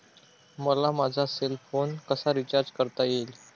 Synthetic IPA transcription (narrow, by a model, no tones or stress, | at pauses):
məlamad͡zʱaselfonkəsaɾit͡ɕaɾd͡ʑkəɾt̪ajel